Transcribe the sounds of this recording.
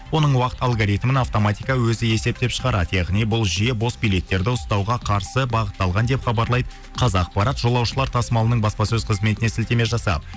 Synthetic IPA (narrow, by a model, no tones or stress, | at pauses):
wo̞nəɴwɑqə̥t̪ɑlˠɡoɾijt̪mɪnɑft̪o̞mɑt̪ijkɑwɵzɪe̞se̞p̚t̪e̞pʃəʁɑɾɑd̪əjɑʁnijbʊlˠʒijebo̞sbijlʲe̞t̪ːe̞ɾd̪ɪʊst̪ɑwʁɑqʰɑɾsəbɑʁət̪ːɑlˠʁɑnd̪e̞pχɑbɑɾlˠɑjd̪ə | qʰɑzɑːq̚pɑɾɑt̪ʒ̥o̞lˠɑwʃəlˠɑɾt̪ʰɑsəmɑlˠənəɴbɑspɑsɵzqʰəzme̞t̪ɪne̞sɪlt̪e̞me̞ʒɑsɑ̰p̪